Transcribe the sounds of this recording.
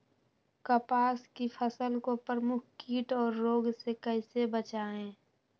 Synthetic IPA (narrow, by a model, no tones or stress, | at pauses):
kəpaːskipʰəsəlkopəɾmʊkʰkiːʈɔːɾːoːɡsekəɦɪsebət͡ʃaːẽː